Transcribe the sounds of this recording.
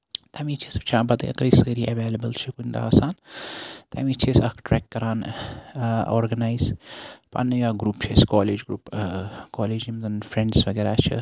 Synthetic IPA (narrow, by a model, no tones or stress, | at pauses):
t̪ɐmit͡ʃʰesbt͡ʃʰãːbɐt̪ːɐ̰kɾiːsəːɾiʔɐʋeːlɐbəlt͡ʃʰikunʲd̪a̰aːsaːnt̪ʰɐ̰miːt͡ʃʰesɐkʰʈɾɛːkːɐɾaːn | oːɾɡɐnaːizpɐ̰nːɐjaɡɾuːpt͡ʃʰeskɔːleːd͡ʒɡɾuːpkɔːleːd͡ʒimzɐnfɾẽɳɖsʋɐɡeːɾaːt͡ʃʰɐ̰